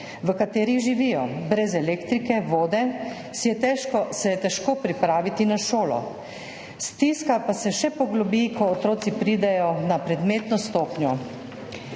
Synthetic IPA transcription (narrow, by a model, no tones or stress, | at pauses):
ʋəkat̪eːɾiʒiʋijɔbɾɛzɛleːkt̪ɾikɛʋoːd̪ɛ | sjɛt̪ɛːʃkɔsɛjɛt̪ɛʃkoːpɾipɾaːʋit̪inaʃoːlɔ̰ | st̪iskapasɛʃɛpɔɡlɔbikʰɔːt̪ɾoːt̪sipɾiːd̪ɛjɔnapɾɛd̪meːt̪nɔst̪oːpnjɔ